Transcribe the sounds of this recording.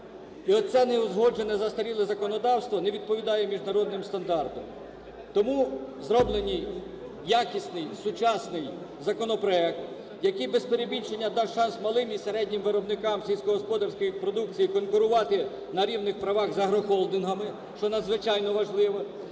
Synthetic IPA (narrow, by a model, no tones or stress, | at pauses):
iɔsɛnɛʊzɦɔd͡ʒenɛzɐst̪ɐɾʲilˠɪzɐkɔnɔd̪ɑwst̪ʋɔnɛʋʲid̪̚pɔʋʲid̪ɑjɛmʲiʒnɐɾɔd̪̚nɪmst̪ɐnd̪ɑrt̪ɔm | t̪ɔmuzɾɔblˠenʲi | jakʲisʲnɪjsʊt͡ʃɑsnɪj | zɐkɔnɔpɾɔɛk̚t̪ | jɐkɪjbespeɾebʲint͡ʃenʲːɐd̪ɑwʃɑnsmɐlˠɪmiseɾɛdʲnʲimʋɪɾɔbnɪkɑmsʲilʲsʲkɔɦɔspɔd̪ɐrsʲkɔjipɾɔd̪ukt͡sʲijikɔnkʊɾʊʋɑt̪ɪ | nɐɾʲiwnɪxpɾɐʋɑɣzɐɦɾɔxɔlˠd̪ɪnɦɐmɪ | ʃt͡ʃɔnɐd̪zʋɪt͡ʃɑjnɔʋɐʒlˠɪʋɐ